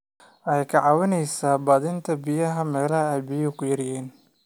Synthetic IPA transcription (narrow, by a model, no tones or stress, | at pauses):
ʔɛjkʰɑʕɑːwɪnɛjsaːbɐːðɪnt̪ʰɐbɪjɐɦɐmɛːlɐɦɐɛjbɪjɐkʰʊjɐɾjɛːn